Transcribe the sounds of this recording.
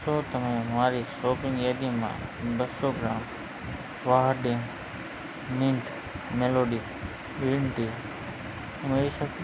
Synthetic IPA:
soːt̪əmẽmaːɾisoːpɪ̃ŋjaːd̪imã̰bəsoɡɾaːm | ʋaɦəɾɖẽŋ | mĩɳʈ | meloːɖi | ɪlɳʈi | meiʃək

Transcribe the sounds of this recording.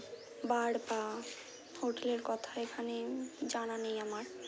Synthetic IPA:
baɽba | hoʈeleɾkɔt̪ʰaekʰaned͡ʒananejamaɾ

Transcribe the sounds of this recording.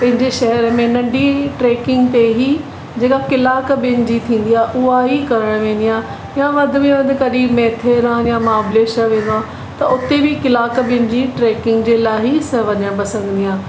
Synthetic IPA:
pɐ̃ɦɪ̃ɲd͡ʑeʃɐɦɛɾəmẽnɐ̃ɖʱiʈɾeːkɪ̃ŋɡt̪eɦi | d͡ʑeːkakɪlaːkɓɪnd͡ʑit̪ʰĩːn̆d̪ijaːʔʊaɦikɐɾəɽ̃ʋẽːn̆d̪ijãː | jãʋɐ̃d̪ʱʊ̆mẽʋɐ̃nd̪ʱɪkɐɗiːbmɛːt̪ʰeɾãjãmãːbleːʃəʋẽːn̆d̪oãː | t̪ɐʊt̪ebʱikɪlaːkɓɪnd͡ʑiʈɾeːkɪ̃ŋɡd͡ʑeːlaːɦisɐʋɐɲjãpɐsə̃ŋɡə̃nd̪ijãː

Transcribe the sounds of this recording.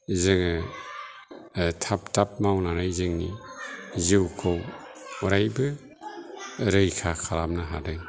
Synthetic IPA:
zɯŋɯ | tʰap̚tap̚mawnaɾajzɯŋnḭ | zɯwkʰɔw | ɔɾajbɯ | ɾɯjkʰakʰalamnaɦa̰dɯŋ

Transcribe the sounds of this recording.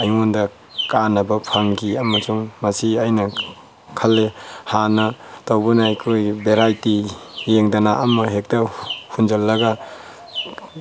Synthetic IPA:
ɐjŋondɐ | kanɐbɐpʰaŋkiɐmɐsuŋmɐsiajnɐ | kʰɐlːehanɐtawbɐnaajkʰojbeɾajtijeŋdanaʔɐmɐɦek̚tɐhund͡ʒɐlːɐɡa

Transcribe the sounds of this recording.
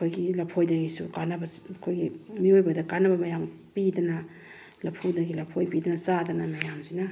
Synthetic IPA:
ɐkʰojɡilɐpʰojdɐɡisṵkanɐbɐɐkʰojɡimiojbɐdɐkanɐbɐmɐjam | pidɐnɐ | lɐpʰudɐɡilɐpʰojpidɐnɐt͡ʃadɐnɐmɐjamzinɐ

